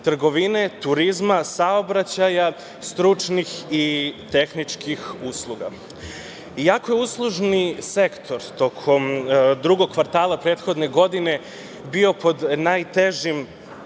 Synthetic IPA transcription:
t̪r̩ɡo̞ʋine̞t̪uɾizmasaobɾat͡ɕaja | st̪ɾut͡ʃnixit̪e̞xnit͡ʃkixuslˠuɡa̰ | ijako̞jeuslˠuʒnise̞kt̪ʰo̞ɾt̪o̞kʰo̞md̪ɾuɡo̞ɡkʋaɾt̪aːlapɾeːt̪xo̞d̪ne̞ɡo̞d̪ine̞ | bio̞po̞d̪najt̪e̞ʒim

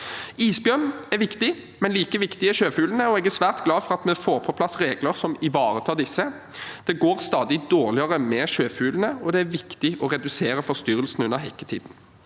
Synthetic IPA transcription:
iːsbjœnæɾʋɪkt̪ɪ | mɛnliːkəʋɪkt̪ɪɛʃøːfʉːlnəɔɛɡæsʋæːʁt̪ɡlɑːfɔʁɑt̪mɛfoːɾpʰɔpʰlɑsɾeːɡləɾsɔmɪʋɑːɾət̪ʰɑːd̪ɪsːə | d̪̥ɛɡoːɾst̪ɑːd̪ɪd̪oːʁlɪəʁəmɛːʃøːfʉːlənəɔd̪ɛæɾʋɪkt̪ɪʔɔɾɛd̪ʉseːɾəfɔst̪yɾəlsn̩ʉnːəɾɦɛkːət̪ʰḭːd̪n̩

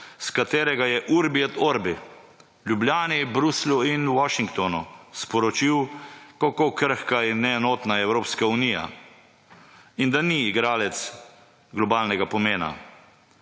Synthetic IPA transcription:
skat̪eːɾɛɡajɛʔuɾbiɛt̪oɾbi | ljublʲjaːnibɾusluinwɔʃiŋkt̪ɔnuspɔɾɔt͡ʃiwkakoːkəɾxkainːɛːnɔːt̪naɛwɾoːpskaunija̰ | ind̪aniːɡɾaːlɛt̪s | ɡlɔbaːlnɛɡapɔmeːna̰

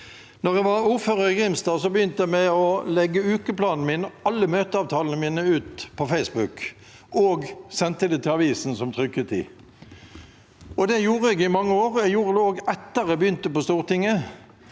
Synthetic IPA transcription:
nɔʁɛʋɑʁuːʁføːʁəɪɡʁɪmst̪ɑːsɔbəjʏnt̪əjæmæɔlɛɡːəʉːkəplɑːnn̩miːnɑlːəmøːt̪əɑːʋt̪ʰɑːlnəmiːnəʉːt̪pʰɔfɛɪsbʉk | ʔoːɡsɛnt̪əd̪ɛt̪ʰɪlɑʋiːsn̩sɔmt̪ʰʁʏkːət̪ʰḭː | ɔd̪ɛjuːʁəɛɡɪmɑŋːəoːʁɛɡjuːʁəd̪ɛoːɡɛt̪ːəʁɛbəjʏnt̪əpɔst̪uːʁət̪ɪŋːə

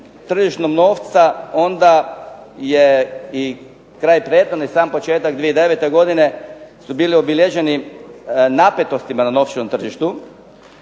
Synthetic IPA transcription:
t̪r̩ʒiʃt̪nomno̞ːft̪sao̞nd̪a | jei | kɾaːjpɾeːd̪nonaisaːmpo̞t͡ʃeːt̪aɡd̪ʋijed̪eʋet̪e̞ɡo̞d̪ine̞subiːlio̞biʎjeʒe̞ni | napet̪o̞st̪imanano̞ːft͡ʃenomt̪r̩ʒiʃt̪u

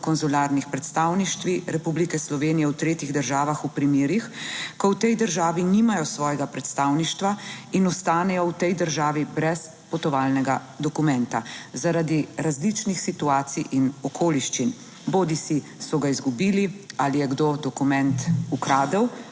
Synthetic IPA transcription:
kɔnzulaːɾnixpɾɛt̪st̪aːwniʃt̪ʋiɾɛpublikɛslɔʋeːnijɛwt̪ɾeːt̪iɣd̪əɾʒaːʋaxupɾimjeːɾixkɔwt̪ɛjd̪əɾʒaːʋinimajɔsʋɔːjɛɡapɾɛt̪st̪aːwniʃt̪ʋainɔst̪aːnɛjɔwt̪ɛjd̪əɾʒaːʋibɾɛs | pɔt̪ɔʋaːlnɛɡa | d̪ɔkumɛnt̪azaɾad̪iɾazlit͡ʃnixsit̪uaːt̪sijʔinɔkʰoːliʃt͡ʃin | boːd̪isi | sɔɡaizɡubiːlialijɛɡd̪oːd̪ɔkumɛnt̪ukɾaːd̪əw

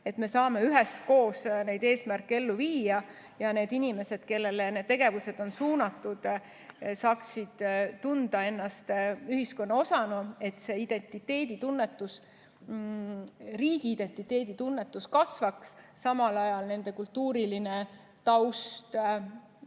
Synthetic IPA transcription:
e̞t̪me̞sɑːme̞yɦɛst̪̚ko̞ːsne̞jd̪̥e̞ːsmærkːee̞lːuviːjɑ | jɑne̞ːd̪inime̞se̞d̪̥ke̞lːe̞lene̞d̥̪̚t̪e̞ɡe̞vuse̞d̪̥o̞nsuːnɑt̪ːˑud̪̥ | sɑːksid̪̥t̪ːund̪̥ɑe̞nːɑst̪yɦisko̞nːɑo̞sɑnue̞t̪se̞id̪̥e̞nt̪ˑit̪ːe̞ːd̪it̪unːe̞t̪ːˑus | riːɡ̥iːd̪̥e̞nt̪it̪ːˑe̞ːd̪̥it̪unːe̞t̪ːˑuskɑsvɑksːɑmɑlɑjɑlne̞nd̪̥e̞kult̪ːuːɾiline̞ | t̪ɑwst̪

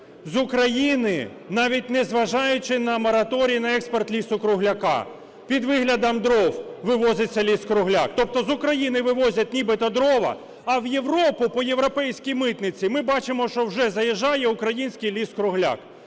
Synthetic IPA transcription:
zʊkɾɐjinɪ | nɑʋʲitʲnɛzʋɐʒɑjʊt͡ʃɪnɐmɔɾɐt̪ɔɾʲijːnɐɛkspɐrt̪lʲisʊkɾʊɦlʲɐkɑ̰ | pʲid̪ʋɪɦlʲɐd̪ɐmd̪ɾɔwʋɪʋɔzʲɪt͡sʲːɐlʲiskɾʊɦlʲa̰kt̪ɔp̚t̪ɔzʊkɾɐjinɪʋɪʋɔzʲɐt̚ʲnʲibɪt̪ɐd̪ɾɔʋɐ̰ː | wje̞ʋɾɔpʊpɔje̞ʋɾɔpɛjsʲkʲijmɪt̪nɪt͡sʲimɪbɑt͡ʃɪmɔʃt͡ʃɔwʒɛzɐjɛʒɑjɛʊkɾɐjinʲsʲkijlʲiskɾʊɦlʲa̰k

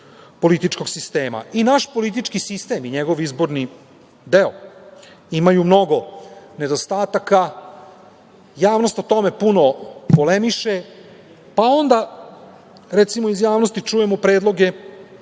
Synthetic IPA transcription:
po̞lit̪it͡ʃko̞ɡsist̪e̞ːma̰inaʃpo̞lit̪̬it͡ʃkisist̪e̞miɲeɡo̞ʋizbo̞ɾni | d̪e̞o | imajumno̞ɡo̞ne̞d̪ost̪aːt̪aka | jaːʋno̞st̪ot̪o̞me̞puno̞polemiʃe | pao̞nd̪a | ɾet̪simoizjaːʋnost̪it͡ʂujemopɾe̞ːd̪lˠo̞ɡe̞

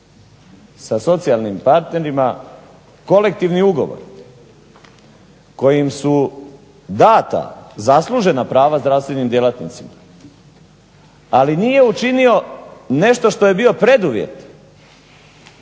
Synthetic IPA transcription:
saso̞t̪sialˠnimpaɾt̪ne̞ɾima | ko̞le̞k̚t̪iʋniuɡo̞̰ʋo̰ɾ | ko̞jimsu | d̪aːt̪a̰zaslˠuʒe̞napɾaːʋazd̪ɾaʋst̪ʋe̞nimd̪je̞lˠat̪nḭt̪sima | aliniːje̞ut͡ʃinio̞ne̞ʃt̪o̞ʃt̪o̞je̞bio̞pɾe̞d̪uʋjḛt̪

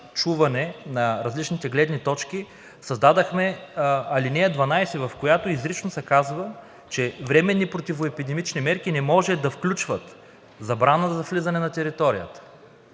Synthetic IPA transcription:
t͡ʃuvɐnɛnɐɾɐzlit͡ʃnit̪ɛɡlɛd̪nit̪ɔt͡ʃki | sɐzd̪ad̪ɐxmɛɐlinɛːd̪vɐnajsɛvɐfkojat̪oizɾit͡ʃnosɛkazvə | t͡ʃɛvɾɛmɛnːipɾot̪ivoɛpid̪ɛmit͡ʃnimɛɾk̟inɛmɔʒɛd̪ɐfklʲut͡ʃvət̪ | zɐbɾanəzɐflizɐnɛnɐt̪ɛɾit̪ɔɾijə̰t̪ə̥

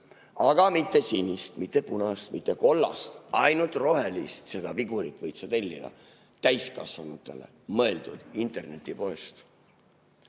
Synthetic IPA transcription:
ɑɡ̥ɑmit̪ːe̞sinʲːist̪mit̪ːe̞punɑst̪mit̪ːˑe̞ko̞lːɑ̰st̪ʔɑjnult̪ro̞ɦe̞list̪se̞d̪ɑviɡuɾik̪ːˑvɤjt̪sɑt̪e̞lʲːḭd̪ɑ̰ | t̪æjskɑ̰svɑmut̪ːˑe̞̰le̞̰ | mɤ̞e̞ld̪ud̪̥int̪e̞rne̞t̪ːˑipo̞est̪

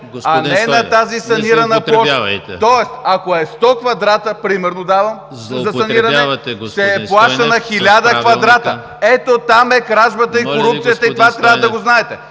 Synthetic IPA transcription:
ɐnɛnɐt̪azisɐniɾɐnəp̪lˠɔt̪ɔɛst̪ɐkoɛst̪ɔkvɐd̪ɾat̪əpɾimɛɾnod̪avɐm | zɐsɐniɾɐnɛsɛplˠaʃt̪ənɐxilʲad̪əkvɐd̪ɾat̪ə | ɛt̪ot̪amɛkɾaʒbɐt̪əikoɾuppt̪sijət̪əit̪ovat̪ɾʲjavəd̪ɐɡoznaɛt̪ɛ

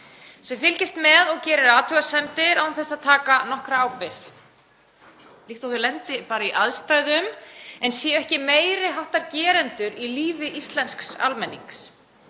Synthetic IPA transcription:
sɛmfɪlcɪst̪mɛðɔɣcɛːɾɪɾaːt̪ʰʏɣasɛmt̪ɪɾawmθɛsaðt̪ʰaːkanɔhkɾaaːwpɪθ | liht̪ɔwθɪlɛnt̪ɪpaːɾaiʔaðst̪ajðʏmɛnsjɛœhcɪmeːjɾɪɦawht̪aɾcɛːɾɛnt̪ʏɾiliːvɪʔist̪lɛnsksa̰lmɛnːḭŋks

